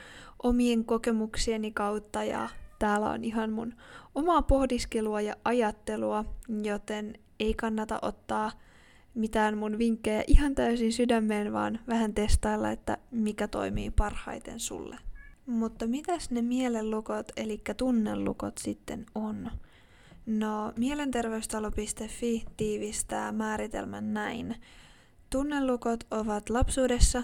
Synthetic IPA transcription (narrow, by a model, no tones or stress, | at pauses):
ʔomieŋkoke̞muksienikɑwt̪ːɑjɑ̰t̪æːlːæ̰o̰niɦɑnmunomɑːpo̞hdiskeluɑjɑʔɑjɑt̪ːe̞luɑjot̪e̞n | e̞ikɑnːɑt̪ɑ̰ʔot̪ːɑː | mit̪æːnmunʋiŋkːejɑ̰ʔiɦɑnt̪æysinsydæmːeːnʋɑ̰ːnʋæɦænt̪e̞st̪ɑilːɑ̰et̪ːæ̰mikæt̪o̞̰jmḭːpɑrhɑ̰jt̪e̞̰nsṵlːḛmut̪ːɑmit̪æsne̞miele̞lːukot̪elikːæt̪unːḛlːṵko̰t̪sit̪ːe̞non | nomiele̞nt̪e̞rʋe̞yst̪ɑlopist̪efːit̪iːʋist̪æːmæːɾit̪ḛlmæ̰nːæin | t̪unːelːukot̪oʋɑt̪lɑpsuːde̞sːɑ